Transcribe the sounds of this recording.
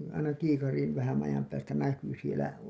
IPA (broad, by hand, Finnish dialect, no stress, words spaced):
ɑinɑ kiːkɑriːn ʋæhæn ɑjɑm pæːstæ næky sielæ